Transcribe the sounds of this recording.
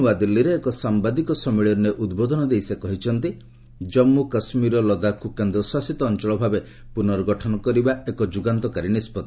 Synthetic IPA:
ubad̪ilːiɾeːkɔsambad̪ikɔsɔmiɭɔɾneʔud̪bod̪ʱɔnɔd̪ejsekɔɦit͡ʃʰɔnt̪i | d͡ʒɔmːukɔsmiɾɔlɔd̪akukand̪ɔswasit̪ɔːnt͡ʃɔɭɔbʱabe | punɔɾɔɡɔʈʰɔnɔkɔɾibaekɔd͡ʒuɡant̪ɔkaɾinispɔt̪

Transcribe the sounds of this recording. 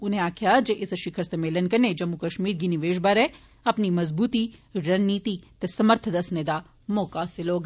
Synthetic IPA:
ʊnɦẽaːkʰjad͡ʒeʔɪsʃɪkʰəɾsɐmeːlənkɐɾned͡ʒɐmːukɐʃmiːɾɡiniʋeːʃbaɾɛ | ɐpnimɐzbuːt̪iɾɐnniːt̪it̪esɐməɾt̪ʰəd̪ɐsned̪a | moːkasɪloːɡ

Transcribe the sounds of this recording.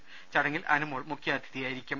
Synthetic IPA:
t͡ɕɐɽɐŋːilʔɐ̰numoːɭmukʰːjaːd̪ʱiðijaːjiɾikʲːum

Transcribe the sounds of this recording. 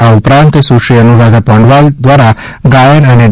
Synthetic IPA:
aupɾãnt̪suʃiənuɾad̪ʱapɔ̃ɳɖʋald̪ʋaɾaɡajənəne

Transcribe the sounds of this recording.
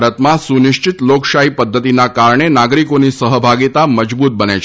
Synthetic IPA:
ɾət̪mãsunɪʃt͡ʃɪt̪loksaɦipəd̪ʱːət̪inakaɾɳ̃enaɡɾikonisəɦəbʱaɡit̪aməd͡ʒbut̪̚bənet͡ʃʰ

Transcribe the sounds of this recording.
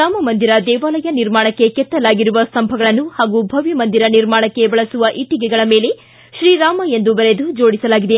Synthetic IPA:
aːmɐmɐnd̪iɾɐd̪ɛːʋaːlɐjɐniɾmaːɳɐkːe̞kɛt̪ːɐlaːɡiɾuʋɐst̪ɐmbʱɐɡɐɭɐnːuhaːɡubʱɐʋimɐnd̪iɾɐniɾmaːɳɐkːe̞bɐɭɐsuʋɐʔiʈiɡɛɡɐɭɐmeːle̞ | ʃɾiːɾaːmɐe̞nd̪ubɐɾe̞d̪ud͡ʒo̞ːɽisɐlaːɡid̪e̞

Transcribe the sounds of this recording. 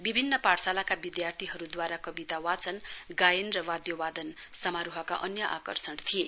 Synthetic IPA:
bibʱinːʌparsalakabid̪jart̪ʰiɦʌɾud̪waɾakʌbit̪awat͡sʌnɡajʌnrʌwad̪jowad̪ʌnsʌmaɾuɦʌka̰ʔʌnjʌʔa̰kʌ̰rsʌɳt̪ʰije

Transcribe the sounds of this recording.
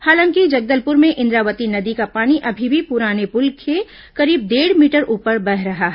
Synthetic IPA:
haːlãŋkid͡ʒɐɡ̚d̪əlpʊɾmẽʔɪ̃nd̪ɾaːʋət̪inɐd̪ikapaːniʔɐbʱibʱipʊɾaːnepʊlkʰe | kɐɾiːb̚d̪eːɽ̤miːʈəɾʔuːpəɾbɛɦɾɐɦaɦ

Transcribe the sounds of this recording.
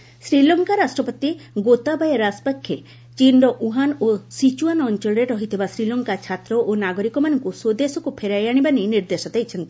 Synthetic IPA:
sɾilɔŋkaɾasʈɾɔpɔt̪iɡot̪abajeɾaspakʰːje | t͡ʃinɖɔʔuɦanosit͡ʃuanɔnt͡ʃɔɭɖeʈɔɦit̪ʰibasɾilɔŋkat͡ʃʰat̪ɾɔʔonaɡɔɾikɔmanɔŋkusod̪esɔkupʰeɾajaɽ̃ibaniniɾd̪esɔt̪ajt͡ʃʰɔnt̪i̥

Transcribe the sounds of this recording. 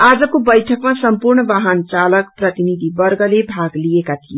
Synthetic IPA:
aːd͡zəkobəjʈʰəkmãsəmpuɾɳʋaɦənt͡ʃaləkpɾət̪inid̪ʱibəɾɡəlebʱaɡliekat̪ʰie

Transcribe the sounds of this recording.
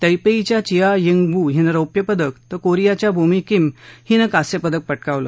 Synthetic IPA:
t̪əjpeit͡ɕjat͡ɕijajiŋɡbuɦinəɾəwpjəpəd̪əkt̪əkoɾijat͡ɕjabʱumikimhinəkasjepəd̪ək̚pəʈkaʋlə̰

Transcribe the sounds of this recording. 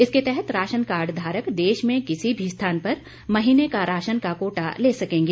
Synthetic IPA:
ɪsket̪ɛɦɛt̪ɾaːʃənkaːɾɖd̪ʱaːɾəkd̪eːʃmẽkɪsibʱist̪ʰaːnpɐɾ | mɐɦiːnekaɾaːʃənkakoːʈa̰leːsɐkẽːŋɡeː

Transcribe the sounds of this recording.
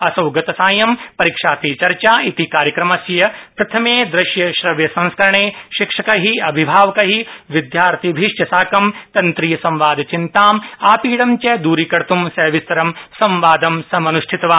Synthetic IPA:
ɐsɐwɡɐt̪ɐsaːjɐmpɐɾikʂaːt̪iːt͡ʃɐɾt͡ʃaːit̪ikaːɾjɐkɾɐmɐsjɐpɾɐt̪ʰɐmeːd̪ɾɪʃjɐʃɾɐʋjɐsɐ̃ñskɐɾɐɳeːʃikʂɐkɐɦiɐbʱibʱaːʋɐkɐɦiʋid̪jaːɾt̪ʰibʱiʂjɐsaːkɐmt̪ɐnt̪ɾijɐsɐ̃mʋaːd̪t͡ʃint̪aːmaːpiːɽɐmt͡ʃɛd̪uːɾikɐɾt̪umsɛːʋist̪ɐɾɐmsɐmʋaːd̪ɐmsɐmɐnuʃʈʰit̪ɐʋaː

